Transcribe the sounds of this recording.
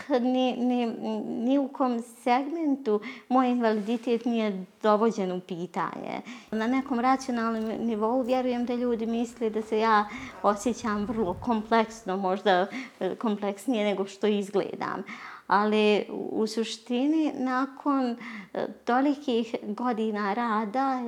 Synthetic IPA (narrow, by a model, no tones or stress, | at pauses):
nininiukomse̞ɡment̪umoːjinʋalid̪it̪eːt̪nije̞d̪̥o̞ʋo̞d͡ʑe̞nupiːt̪a̰ːɲḛnane̞ko̞ːmɾat̪sijo̞naːlˠnomniʋo̞uʋjeɾuje̞md̪aʎuːd̪imisled̪ase̞jaːo̞sjet͡ɕamʋr̩lˠo̞kompleksno̞mo̞ʒd̪ako̞mple̞ksnije̞ne̞ɡo̞ʃt̪o̞izɡlḛːd̪a̰ːmaliṵsuʃt̪ininaːkʰo̞n | t̪o̞likʰixɡo̞d̪inaɾaːd̪a